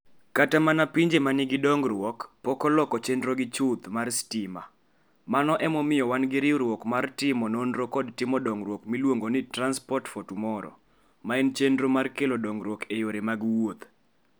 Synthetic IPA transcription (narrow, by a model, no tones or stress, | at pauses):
katamanapiɲd͡ʒemanɪɡɪdɔŋɡɾwɔkpɔkɔlɔkɔt͡ʃendɾoɡɪt͡ʃʊt̪marstɪma̰ | manɔʔɛmɔmɪjɔwanɡɪɾɪɾwɔkmartɪmɔnonɾokɔdtɪmɔdɔŋɡɾwɔkmilwoŋɡonɪtranspɔrtfotumɔɾɔ̰ | maɛnt͡ʃendɾomarkelodɔŋɡɾwɔkejoɾemaɡwot̪